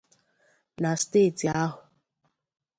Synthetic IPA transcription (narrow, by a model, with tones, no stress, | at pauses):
na˨steː˦˨ti˨a˦ɦʊ˨